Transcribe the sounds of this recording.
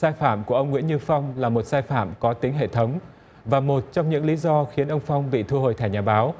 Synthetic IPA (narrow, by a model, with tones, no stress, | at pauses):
saː˧jfaː˧˩˨mku˧˩əʔə˧wŋ͡mŋw̰ənɲɨ˧fa˧wŋ͡mlaː˨˩mo˨˩t̚saː˧jfaː˧˩˨mkɔ˨˦t̪ï˨˦ŋɦḛ˧˨t̪ʰə˨˦wŋ͡m | vaː˨˩mo˨˩t̚t͡ɕɔ˧wŋ͡mɲɨ̰˧˥ŋli˨˦zɔ˧xi˨˦ənʔə˧wŋ͡mfɔ˧wŋ͡mɓḭ˧˨t̪ʰu˧hoː˨˩jt̪a˧˩jɲaː˨˩ɓaː˨˦w